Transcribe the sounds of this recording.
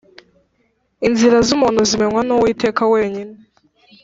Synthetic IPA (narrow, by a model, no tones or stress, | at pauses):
inziɾazumuːnuzime̞nwanowiːte̞ːkawe̞ːɲine